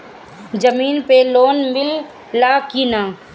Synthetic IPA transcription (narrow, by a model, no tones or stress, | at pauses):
d͡ʒəmiːnpeloːnmɪlː | aːkinãː